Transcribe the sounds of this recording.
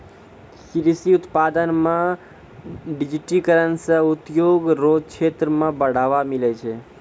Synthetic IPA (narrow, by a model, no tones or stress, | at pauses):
sɾisiut̪pad̪ənmã | ɖid͡ʒiʈikəɾənsə̃ut̪joɡɾod͡ʒt͡ʃʰet̪ɾəmãbəɽ̤aʋamilet͡ʃʰe